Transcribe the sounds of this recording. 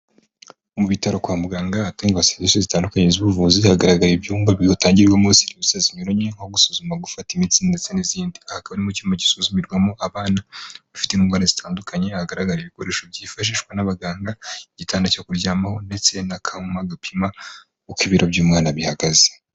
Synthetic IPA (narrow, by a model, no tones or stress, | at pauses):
omuβitaɾokwaːmbuɡaŋɡaːtaiŋɡaβaseɲesozitaːndukaɲezuβuvuːzihaɡaɾaɡaɾibjuːmbaβihotaːɲɟiɾɡwomuːsiniβusaziɲoɾoɲŋ̥aoɡusuzumaɡufatimit͡siːndndet͡seniziːndiahakaβanimucimaɟisuzumiɾɡwamoʔaβaːnaβafi̥tenuːŋɡwaːɾazitʰaːndukʰaɲe̞haɡaɾaɡaɾiβiko̞ɾe̞ːʃo̞bjiːfaʃ̬iːʃɡwanaβaɡaːŋɡaiɟitʰaːndacakuɾɟaːmaho̞nde̞t͡se̞nakʰamaɡapʰima | ukiβiɾobɟuːmŋaːnaβihaɡaze